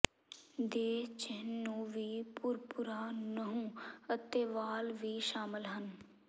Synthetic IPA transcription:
d̪eːt͡ʃənːũːʋiːpʊɾpʊɾaːnəɦũːət̪eːʋaːlʋiːʃaːmɪlɦən

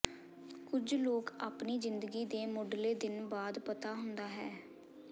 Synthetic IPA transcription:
kʊd͡ʒloːkaːpniːzɪnd̪əɡiːd̪eːmʊːɖleːd̪ɪnbaːd̪pət̪aːɦʊnd̪aːɦɛː

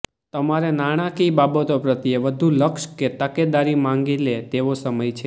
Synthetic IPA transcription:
t̪əmaɾenaɽ̃akibabət̪opɾət̪ieʋəd̪ʱũləkʃket̪əked̪aɾimãŋɡilet̪eʋosəməjt͡ʃʰe

